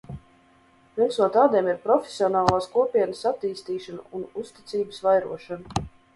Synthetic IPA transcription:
pʲimsnuɔt̪aːd̪iɛmiɾpɾɔfʲesʲiɔnaːlˠaːskuɔpʲiɛnəsat̪ːiːst̪iːʃanṵunust̪i̥t̪siːbəsvajɾṵɔʃanu

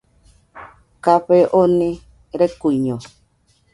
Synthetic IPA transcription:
kaɸeʔoni | ɾekuɲɔ

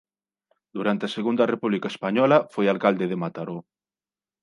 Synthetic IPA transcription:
d̪uɾant̪easeɣund̪ɐarepuβlikaespaɲɔlafojalkald̪eðemat̪aɾo

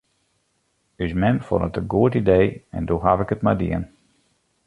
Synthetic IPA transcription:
ysmɛnfɔ̰nətəɡuətidejɛ̰ndoɦavɪkətmadḭən

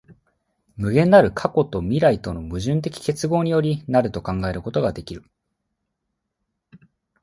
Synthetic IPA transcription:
mɯ̟ɡẽ̞nːaɾɯ̟kʰako̞t̪o̞mʲiɾait̪o̞no̞mɯ̟ʑɨ̃nt̪̬e̞kʲi̥ke̞t͡sɨɡo̞ːɲ̟ijo̞ɾʲinaɾɯ̟t̪o̞kãŋɡae̞ɾɯ̟ko̞t̪o̞ɡad̪e̞kʲiɾɯ̟

